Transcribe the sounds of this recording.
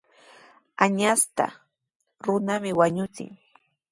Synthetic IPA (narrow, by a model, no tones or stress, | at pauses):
aɲast̪a̰ | ɾʊnamɪwaɲʊt͡sɪ̰ŋ